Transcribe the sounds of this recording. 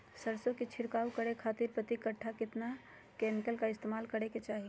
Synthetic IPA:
səɾsõkit͡ʃʰɪɾkaːwkəɾekʰaːt̪ɪɾpɾət̪ikɐʈʰːakɪt̪na | kɛːmɪkəlkaɪst̪eːmaːlkɐɽeket͡ʃaːɦi

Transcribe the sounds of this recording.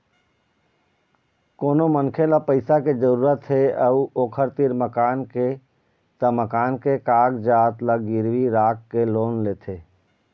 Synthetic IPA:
koːnomənkʰelapəɪsaked͡ʒəɾuːɾət̪ɦeəuoːkʰəɾt̪iɾməkaːnke | t̪əməkaːnkekaːɡd͡ʒaːt̪ləɡɪɾwiɾaːkːeloːnleːt̪ʰeː

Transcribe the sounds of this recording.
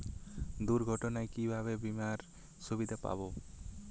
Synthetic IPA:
d̪uɾɡʱɔʈɔnajkibʱaβebimaɾ | subid̪ʱapa̰bo

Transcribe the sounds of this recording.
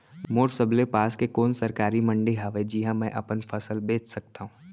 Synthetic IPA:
moːɾsəblepaːskekoːnsɐɾkaːɾimɐ̃ɳɖeɦaːʋed͡ʒiɦãmɛ̃ʔɐpənfʰɐsəlbeːt͡ʃʰsɐk̚t̪aɦũː

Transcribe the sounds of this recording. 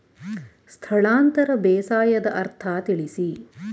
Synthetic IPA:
st̪ʰɐɭaːnt̪ɐɾɐbɛːsaːjɐd̪ɐʔɐɾt̪ʰaːt̪iɭisi

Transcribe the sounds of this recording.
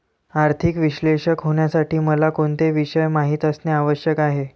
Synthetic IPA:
aɾt̪ʰikʋiɕleʂəkɦoɳjasaʈiːməlakoɳt̪eʋiɕəjmaɦiːt̪əsneaʋəɕjəkaɦe

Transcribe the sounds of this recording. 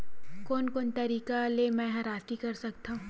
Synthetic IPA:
koːnkoːnt̪ɐɾiːkalemɛ̃ːɦɐɾaːst̪ikɐɾsɐk̚t̪aɦũ

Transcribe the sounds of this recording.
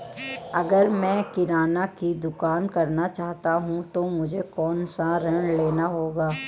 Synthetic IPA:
ɐɡəɾmɛ̃ːkɪɾaːnakid̪ʊkaːnkɐɾnat͡ʃaːɦt̪aɦũt̪omʊd͡ʒʱekɔːnsaɾɐɳ̃leːnaɦoːɡaː

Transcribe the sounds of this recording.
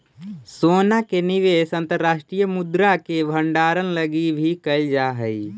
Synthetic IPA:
soːnakenɪʋeːsə̃nt̪əɾːaːʃʈɾijəmʊd̪ɾakebʱəɳɖaːɾənləɡibʱikəld͡ʒaːɦəi

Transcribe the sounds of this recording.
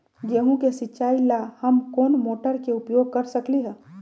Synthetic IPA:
d͡ʒeɦũkesɪtːt͡ʃʃaːilahɐmkoːnmoːʈəɾkeʊpjoːɡ̚kɐɾsɐkliɦɛː

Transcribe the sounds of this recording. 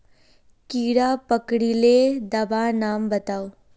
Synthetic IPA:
kiːɽapəkɽiled̪ɐbanaːmbɐt̪aːoː

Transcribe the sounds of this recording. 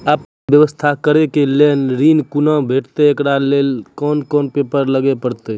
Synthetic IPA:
əpn | bjəʋəst̪ʰakəɾekelenɾinkunə̃bʱeʈt̪eekɽalelkɔnkɔnpepəɾləɡepəɾt̪e

